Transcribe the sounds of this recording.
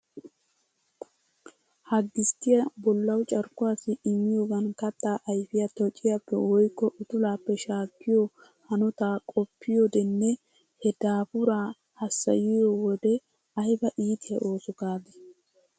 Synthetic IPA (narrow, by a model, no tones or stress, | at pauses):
hɐɡːɪst̪ɪjɐbɔlːɐwt͡ʃʼɐɾkʊaːsɪɪmːɪjoːɡɐnkɐt̪ʼːaːʔɐjfɪjɐt̪ɔt͡ʃʼːɪjapːɛ̰wɔjkːɔʔʊt̪ʊlaːpːɛʃaːkːɪjo | hɐnʊt̪aːkʼɔpʰːɪjod̪ɛnːɛ | hɛd̪̥aːfʊɾaː | hɐsːɐ̰jɪjowɔd̪ɛ | ɐjbɐʔiːt̪ɪjɐ̰ʔo̞ːsɔɡaːd̪ɛ